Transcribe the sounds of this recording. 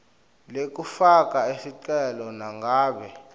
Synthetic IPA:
lek̬ufak̬aesiǃɛlɔnaŋɡaːɓɛ

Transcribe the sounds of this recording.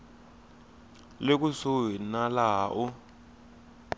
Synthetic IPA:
lek̬ʼusowinalaːʔɔ

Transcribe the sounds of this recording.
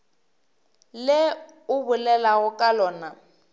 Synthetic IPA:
lɪ | ʊbʊlɛlaɣʊkʼalɔːna

